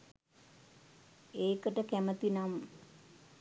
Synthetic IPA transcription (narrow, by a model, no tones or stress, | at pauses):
eːkəʈəkæmət̪inam